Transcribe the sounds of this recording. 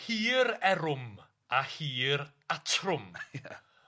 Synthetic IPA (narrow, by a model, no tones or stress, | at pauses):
hiːɾɛɾʊm | ahiːɾ | atʰrʊm